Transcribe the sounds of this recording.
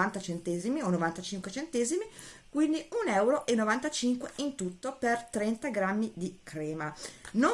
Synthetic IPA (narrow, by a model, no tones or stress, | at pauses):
ant̪at͡ʃent̪ɛːzimionːovant̪at͡ʃiŋkwet͡ʃent̪ezimikwind̪iunɛwɾoʔenːovant̪at͡ʃiŋkweint̪ut̪ːopert̪ɾɛnt̪aɡɾamːid̪ikʰɾɛːmano